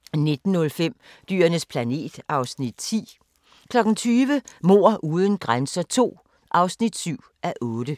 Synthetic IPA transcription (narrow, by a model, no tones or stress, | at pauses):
ne̝d̥n̩ːɔ̽lfem̰ | d̥y̰ːɐnəspʰlæne̝̰ːd̥ɑ̈ʊsnid̥̚t͡sʰḭː | kʰlɒ̽ɡ̥n̩t͡sʰyːʋəmo̝̰ːɐ̰ʔuːðˠən̩ɡ̥ʁansɐt͡sʰo̝̰ː | ʔɑ̈ʊsnid̥syʊ̰ʔæʔɔ̽ːd̥ə